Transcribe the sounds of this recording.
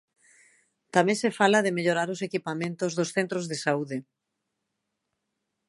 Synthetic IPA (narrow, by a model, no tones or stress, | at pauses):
t̪amẽŋsefalaðemeʎoɾaɾosekipamẽnt̪ozðosθent̪ɾozðesauðe